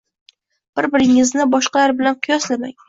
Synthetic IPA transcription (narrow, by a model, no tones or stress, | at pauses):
b̥ɪɾbɪɾɪŋɪznɪbɒʃqɑlaɾbɪlanqʰʊjɒslama̰ŋ